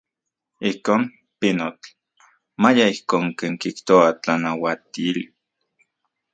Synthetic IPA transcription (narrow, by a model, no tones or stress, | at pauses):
ihkoːn | pinot͡ɬ | majaihkoːŋkeːŋkiht̪oat͡ɬanawat̪iːl